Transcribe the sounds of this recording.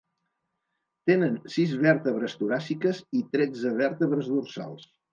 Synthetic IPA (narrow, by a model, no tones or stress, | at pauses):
t̪enənsizβɛɾt̪əβɾəst̪uɾasikəzit̪ɾɛd͡zəβ̞ɛɾt̪əβɾəzðursa̰lˠs